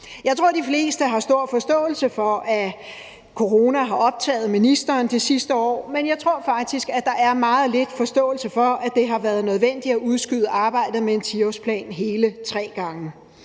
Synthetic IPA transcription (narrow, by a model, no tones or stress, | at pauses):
jɑ̈ɪt͡sʰʁo̝ɐ̰d̥ifle̝ːsd̥əɦɑ̈sd̥o̝ɐ̰fɒ̽sd̥ɔ̰̽ːl̩səfɒ̽ʔæ | kʰo̝ʁo̝ːnæɦɑ̈ɒ̽b̥̚t͡sʰɛ̰ːð̞̩ˠminisd̥ɐːnd̥ʰesisd̥əɒ̰ːmenjɑ̈ɪt͡sʰʁo̝ɐ̰fɑ̈ɡ̥̚d̥isɡ̥æd̥ɑ̈ʔæɐmɑ̈ːð̞̩ˠle̝d̥fɒ̽sd̥ɔ̰̽ːl̩səfɒ̽ʔæd̥e̝ɦɑ̈ʋæːɐð̞ˠnøð̞ˠʋen̰d̥iæʔuð̞ˠsɡ̥yðˠəʔɑ̈ːb̥ɑ̈ɪ̰d̥ð̩ˠmeent͡sʰiospʰlɛ̰ːnɦe̝ːlət͡sʰʁɛ̰ːɡ̥ɑ̈ŋə